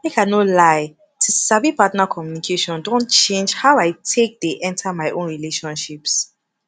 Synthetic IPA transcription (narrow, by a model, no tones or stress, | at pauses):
mekanolaɪ | tʰusabipatnakʰɔmjunikʰeʃɔ̃ndõntt͡ʃẽnd͡ʒhaʊaɪtʰek̚deʔɛ̃ntʰamaɪʔõnɹileʃɔ̃nʃips